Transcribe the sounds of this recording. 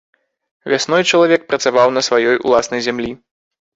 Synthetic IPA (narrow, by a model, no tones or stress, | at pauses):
vʲasnɔjt͡ʂɐlˠavʲɛk̚pɾɐt̪savawnɐsvajɔjṵlˠasnɐjzʲamlʲi